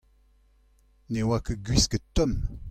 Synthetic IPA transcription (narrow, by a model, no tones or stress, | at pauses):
newakəɡɥiskət̪ɔm